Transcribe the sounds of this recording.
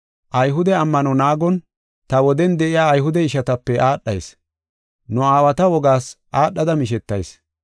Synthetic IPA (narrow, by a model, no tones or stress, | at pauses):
ʔɐjɦʊd̪ɛɐmːɐnɔnaːɡɔn | t̪ɐwɔd̪ɛnd̪ɛʔɪjaːjɦʊd̪ɛɪʃɐt̪ɐpːɛʔaːɗːɐ̰js | nʊaːwɐt̪ɐwɔɡaːsʔaːɗːɐd̪ɐmɪʃɛt̪ːɐ̰js